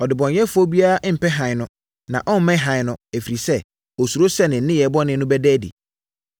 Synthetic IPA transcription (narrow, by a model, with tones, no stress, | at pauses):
ɔ˨dɪ˨bɔ̃˨n˦ɛ˦fʊ˦ɔ˦bi˦a˦a˦ʔm̩˨pɛ˦ɦã˨ɪ˨nʊ̃˦ | nã˨ʔɔ̃˦m̩˦mɛ̃˦ɦã˨ɪ˨nʊ̃˦æ˨fi˨ɾi˨sɛ˦ | ɔ˨su˨ɾo˦sɛ˦nɪ̃˨n̩˦nɪ̃˦jɛ˨˦bɔ˦nɪ̃˦nʊ̃˦bɛ˦dɛː˦dḭ˨